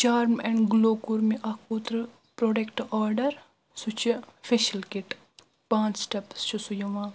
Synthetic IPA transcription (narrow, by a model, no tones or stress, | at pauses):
t͡ʃaːɾmɛ̃ɳɖɡloːkuɾmiʔɐkʰut̪ɾɨ | pɾoːɖekʈɔːɾɖɐɾ | sut͡ʃʰifeʃɐlkiʈ | pãːnt͡ʃsʈɐpst͡ʃʰusujɐʋãː